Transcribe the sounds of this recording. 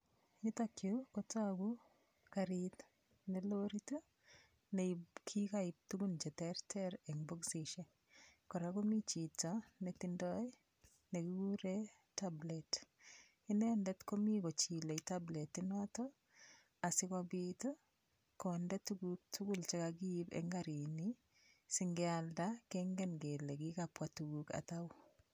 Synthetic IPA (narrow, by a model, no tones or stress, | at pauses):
jitakjukɔtaku | kaɾit | neloɾitɔ | nekʰikaɪp̚tuɡunt͡ʃɛtɛɾtʰɛɾɛŋbɔksiʃɛ | kɔɾakomit͡ʃitanetindɔj | nekiɡuɾe | tablɛt | ɪnɛndɛtkomikot͡ʃileitabletɪnɔtɔ | asɪkɔbitɔ | kɔndɛtuɡuk̚tʰuɡult͡ʃɛkaɡ̬iːbɛ̰ŋɡaɾini | sɪŋɡɛaldakɛŋɡɛnɡelɛkikapwatuɡuka̰taw